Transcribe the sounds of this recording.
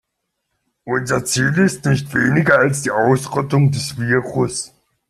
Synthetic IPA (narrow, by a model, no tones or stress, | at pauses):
ʔʊnzɐt͡siːlɪstnɪçtv̥eːnɪɡɐalsd̥iːʔaʊsʁɔtʊŋdɛsv̥iːɐʁʊs